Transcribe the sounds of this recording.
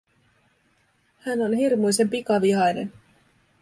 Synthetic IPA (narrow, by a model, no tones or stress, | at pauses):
hæno̞nɦirmujse̞mpikɑʋiɦɑjne̞̰n